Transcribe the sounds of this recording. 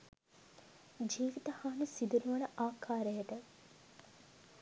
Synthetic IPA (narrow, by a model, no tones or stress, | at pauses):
d͡ʒiːʋit̪əhaːnisid̪ənuʋɐnəʔaːkʰaːɾəjəʈə